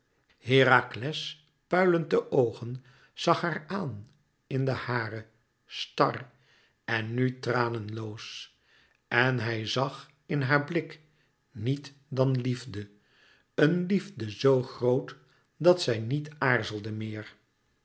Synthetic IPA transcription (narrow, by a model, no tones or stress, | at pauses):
hɪːɾaklɛs | pœɥləndəʔowχən | z̥ɑχɦaːɹaːn | ɪndəhaːrə | stɑ̰r | ɛnːytraːnənlows | ɛnɦɛjzɑχ | ɪnɦaːɹblɪk | nitdɑnlivdə | ənlivdəzowχrowt | dɑtsɛjnitaːɹzəlˠdəmɪːɹ